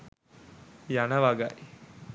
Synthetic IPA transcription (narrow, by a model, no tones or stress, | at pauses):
janəʋaɡa̰j